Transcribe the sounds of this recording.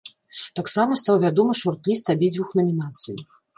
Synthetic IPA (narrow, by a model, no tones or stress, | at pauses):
t̪aksamɐst̪awvʲad̪ɔmɨʂɔrt̪lʲist̪abʲid͡zʲvuxnɐmʲin̪at̪sɨji